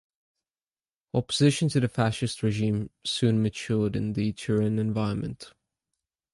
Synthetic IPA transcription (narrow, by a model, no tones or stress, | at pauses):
ɒpəzɪʃə̃ntʰəðəfæʃɪstɹɛʒĩːmsʉ̃nmət͡ʃʰɔːdɪ̰̃nðɨtʰəɹə̃nɛ̃ɱvaɪɹə̃nmə̰̃nt